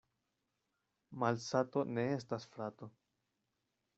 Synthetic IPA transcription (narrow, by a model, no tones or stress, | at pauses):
malsato̞ne̞e̞s̬tasfɾato̞